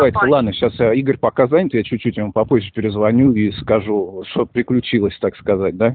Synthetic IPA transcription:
ajtʲɪlˠad̪nəɕasjaiɡəɾʲpɐkazanʲɪt̪jat͡ɕʉt͡ɕːʉtʲjmpɐpozʲʒɪpʲɪɾʲɪzvɐnʲuiskɐʐuʂt̪opɾʲɪklʲʉt͡ɕilˠəsʲt̪akskɐzat̚ʲd̪a

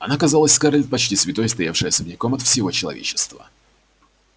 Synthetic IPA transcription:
ɐnakɐzalˠəsʲskaɾlʲɪt̪̚ʲpɐt͡ɕtʲisvʲɪt̪o̞jst̪ɐjafʂɨjəsəbnʲɪkomɐt̪fsʲɪvo̞t͡ɕɪlˠɐ̰vʲḛt͡ɕːɪ̥st̪və̰

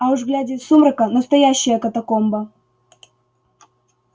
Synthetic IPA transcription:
ɐuʐɡlʲædʲɪsumɾəkənəst̪ɐjæɕːɪjəkət̪ɐkombə

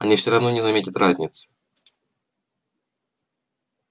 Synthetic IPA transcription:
ɐ̰nʲifsʲɪɾɐvno̞nʲɪzɐmʲetʲɪt̪razʲnʲɪt̪sɨ̥

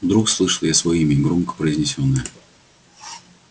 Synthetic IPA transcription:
vd̪ɾukslˠɨʂəlˠjasvɐjimʲɪɡɾomkə̥pɾəɪzʲnʲɪsʲonːɨjə

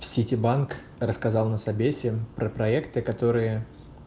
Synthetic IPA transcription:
fsʲitʲɪbank | rəskɐzɑlˠnəsɐbʲesʲɪpɾəpɾɐɛkt̪ɨkɐt̪o̞ɾɨjə

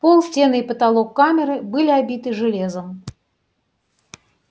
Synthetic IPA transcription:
polˠsʲtʲe̞nɨipət̪ɐlˠokːamʲɪɾɨbɨlʲɪabʲit̪ɨʐɨlʲe̞zəm

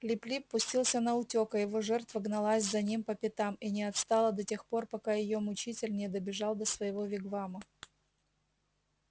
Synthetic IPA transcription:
klʲɪplʲipːʊsʲtʲilˠsʲənəʊtʲo̞kəjɪvo̞ʐɛrt̪vəɡnɐlˠasʲzɐnʲimpəpʲɪt̪aminʲɪɐt̪st̪ɑlˠəd̪ɐtʲe̞xpo̞rpɐkajɪjo̞mʊt͡ɕitʲɪlʲnʲɪd̪əbʲɪʐɑlˠd̪əsvəjɪvo̞vʲɪɡvamə

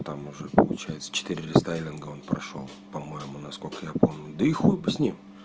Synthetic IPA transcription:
t̪amʊʐɛpəlˠʊ̰t͡ɕæjɪt̪sə̥t͡ɕɪ̥t̪iɾʲɪɾʲɪst̪ajlʲɪnɡəo̞npɾɐ̰ʂo̞̰lˠpɐmo̞jɪmʊnɐsko̞lʲkəjapomnʲd̪əixubɨsʲnʲim

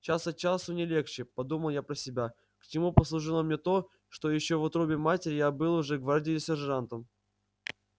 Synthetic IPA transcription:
t͡ɕasət͡ɕasʊnʲɪlʲe̞xt͡ɕɪpɐd̪uməlˠjapɾəsʲɪbʲa | kt͡ɕɪmupəslˠʊʐɨlˠəmnʲet̪o̞ | ʂt̪o̞jɪɕːovʊt̪ɾobʲɪmatʲɪɾʲɪjabɨlˠʊʐɛɡvardʲɪjɪsʲɪʐʐant̪əm

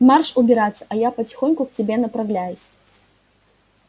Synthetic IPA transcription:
marʂubʲɪɾat̪sːɐ̥ʔɐjapɐt͡sʲi̥xɔnʲkʊkt͡sʲɪbʲɛnɐpɾawlʲajʊsʲ

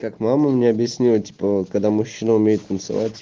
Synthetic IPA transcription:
kakmaməmnʲeɐbjɪsʲnʲilˠətʲi̥pəkɐɡd̪amʊɕːinəʊmʲejɪt̪t̪ːənt̪sɨ̰va̰tʲ

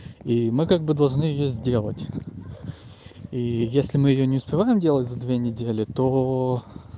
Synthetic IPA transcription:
imɨkaɡ̚bɨd̪ɐlˠʐnɨjɪjozʲdʲe̞lˠə̰tʲ | ijesʲlʲɪmɨjɪjonʲɪʊspʲɪvajɪmdʲelˠətʲzɐd̪vʲenʲɪdʲelʲɪt̪o

